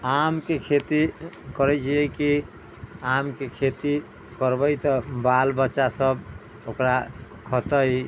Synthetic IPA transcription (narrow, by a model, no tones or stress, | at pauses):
amkekʰet̪ikɔɾɛt͡ʃiɛki | amkekʰet̪i | kɔɾbəjt̪ɔbalbəːt͡ʃasəb | okɾa | kʰɔt̪əj